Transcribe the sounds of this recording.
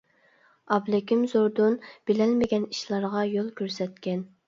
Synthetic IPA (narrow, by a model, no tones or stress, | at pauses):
ɑblɪkʲʰimzoɾd̪unb̥ɪlɛlmɪɡʲɛni̥ʃlˠɑɾʁɑjolˠkʲʰøɾsɛt̪̚kʲɛn